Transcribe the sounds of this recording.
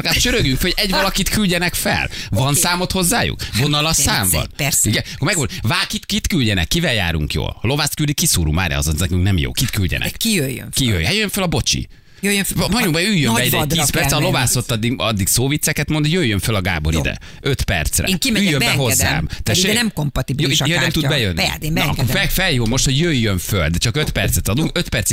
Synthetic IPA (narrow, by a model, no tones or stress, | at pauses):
kaːʃøɾøɡjyŋkfɛlhoɟɛɟvɒlɒkit̪kylɟɛnɛkfɛ̰lvɒnsaːmo̞t̪ho̞zːaːjṵkvonːɒlɒsaːɱvɒ̰niɡɛkomɛɡod̪vaːlkit̪kit̪kylɟɛnɛ̰kːivɛlja̰ːɾṵŋkjo̰ːllo̞vaːst̪kyld̪ikːisuːɾṵma̰ːɾɛ̰ɒ̰zo̰nznɛkyŋnɛmjo̰ːkit̪kylɟɛ̰nʔɛ̰kijøjø̰kijø̰jɦjøjːøɱfølɒbo̞t͡ʃḭ | jøjɦɒɲubɛyːjːøbɛid̪ɛd̪ːspɛrt̪sɛlo̞vaːsot̪ːɒd̪ːiɒd̪ːiɡsoːvit̪sːɛkɛt̪mo̞nd̪jøjːøɱfølɒɡa̰ːbo̞ɾḭd̪ɛ̰ | øt̪pɛ̰rt̪srɛ̰ŋimɛyːjjømbɛɦo̞zːa̰ːmt̪ɛenɛmkompɒt̪ibijoːinɛmt̪ud̪bɛjønːḭɒ̰kkoɛfɛljoːmo̞ʃt̪hoɟjøjːøɱføld̪ɛt͡ʃɒkøt̪pɛrt̪sɛt̪ɒd̪uŋkø̞t̪pɛrt̪s